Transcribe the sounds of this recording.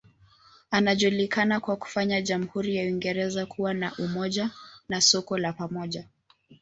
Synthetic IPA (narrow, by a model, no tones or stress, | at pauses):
anaʄulikanakwaku̥faɲaʄam̩huɾijawiŋɡɛɾɛzakʰuwanaʔumɔʄanasɔkɔlapamɔʄa